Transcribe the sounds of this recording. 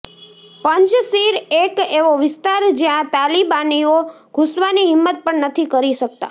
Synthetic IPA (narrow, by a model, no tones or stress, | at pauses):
pəɲt͡ʃsiɾekeʋoʋɪst̪aɾd͡ʒjãt̪alibanio | ɡ̥ʱusʋaniɦɪmːət̪̚pəɳnət̪ʰikəɾiʃək̚t̪a̰